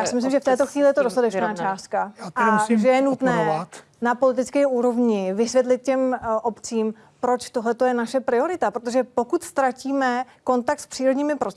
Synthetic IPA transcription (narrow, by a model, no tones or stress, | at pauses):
jaːsɪmɪslɪmʒɛft̪ɛːt̪oxviːlɪjɛt̪odost̪at̪ɛt͡ʃnaːt͡ʃaːst̪̚kaaamsʒɛjɛnut̪nɛt̪ | napo̞lɪt̪ɪt͡skɛːʔuːɾo̞vɲɪvɪsvjɛt̪lɪt̪̚cɛmʔopt͡siːm | pɾo̞t͡ʃt̪o̞ɦlɛt̪o̞jɛnaʃɛpɾɪo̞ɾɪt̪apɾot̪oʒɛpo̞kut̪st̪ɾaciːmɛ | ko̞nt̪ak̚t̪spr̥iːɾodɲiːmɪpɾo